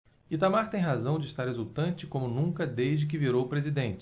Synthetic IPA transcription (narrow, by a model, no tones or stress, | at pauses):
it̪amaɾt̪ẽj̃ɦazɐ̃w̃d͡ʒɪːst̪aɾhezut̪ɐ̃nt͡ʃɪkõmʊnũŋkɐd̪eʒd͡ʒɪk̬ɪviɾowpɾezid̪ẽnt͡ʃɪ